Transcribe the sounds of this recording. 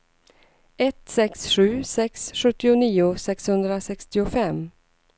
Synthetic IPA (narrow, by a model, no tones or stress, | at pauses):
ɛt̪sɛksɧʉ̟ːsɛksɧɵt̪ːɪʊniːʊsɛkshɵnd̪ɾasɛkst̪ɪʊfɛm